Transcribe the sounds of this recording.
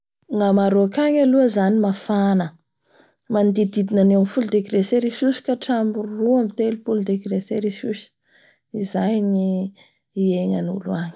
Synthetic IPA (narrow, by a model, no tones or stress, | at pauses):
ŋamaɾokaɲaluəzanimafanə | mand̪id̪id̪inanewanifuld̪ekiɾeseɾisusi̥kaʈ͡ʂambuɾruamit̪elupuld̪ekɾeseɾisusə̥ | izajni | ieŋanṵluaɲi̥